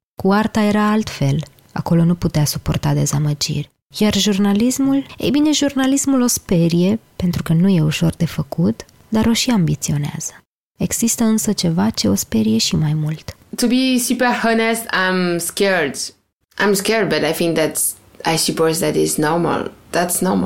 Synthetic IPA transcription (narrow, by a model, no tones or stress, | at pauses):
kuart̪aje̞ɾaalt̪fe̞l | a̰ko̞lo̞nuput̪easupo̞rt̪ad̪e̞zaməd͡ʒḭrʲ | jarʒurnalismulḛjbine̞ʒurnalismulo̞spe̞ɾije̞pe̞nt̪ɾukənuje̞uʃo̞rd̪e̞fəkut̪ | d̪aɾo̞ʃiambit̪sio̞nea̰z̥ə | e̞ɡz̥ist̪əɨnsət͡ʃe̞vat͡ʃe̞o̞spe̞ɾije̞ʃimajmult̪t̪ʰubisupə˞hɔnɛstãjmskɛɹd̥ | ʔãj̃mskɛɹd̚baɾajfĩŋk̚ðæt | ajsɨpozðætɪtsnɔɹmə̰lˠðætsnɔɹm